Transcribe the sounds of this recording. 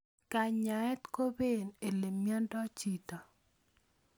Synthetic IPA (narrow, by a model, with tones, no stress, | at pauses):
ka˨ɲa˨ɛ˦t̪ko˦be˦˨ne˨le˨mːjɔ˦ndɔ˦t͡ʃi˦˨tɔ˨